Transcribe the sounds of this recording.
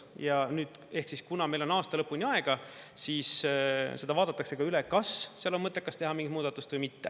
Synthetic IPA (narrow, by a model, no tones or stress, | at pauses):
jɑnyːd̪̥e̞hksiskunɑme̞jlo̞nɑːst̪ɑlɤpːˑunʲiɑe̞ɡ̥ɑsiːsse̞d̪ɑvɑːd̪̥ɑt̪ːˑɑkse̞ɡ̥ɑylekɑsseɑlo̞mmɤt̪ˑːekːɑst̪e̞ɦɑmiŋɡit̪muːd̪̥ɑt̪ːˑust̪vɤjmit̪ːe